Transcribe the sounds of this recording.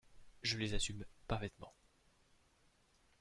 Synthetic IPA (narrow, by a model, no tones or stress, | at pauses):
ʒəlezasympaʁfɛt̪mɑ̰̃